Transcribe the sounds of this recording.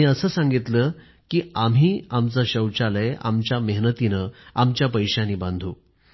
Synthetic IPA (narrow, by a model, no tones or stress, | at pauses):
ĩəsəːsãŋɡit̪ləː | kiːam̤iːamt͡saɕəwt͡ɕaləja̰mt͡ɕjaməɦnət̪inəamt͡ɕjapəjɕjãniːbãnd̪ʱuː